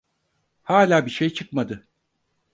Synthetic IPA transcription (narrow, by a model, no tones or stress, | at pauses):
haːlʲaːbiʃejt͡ʃʰɯkmad̪ɯ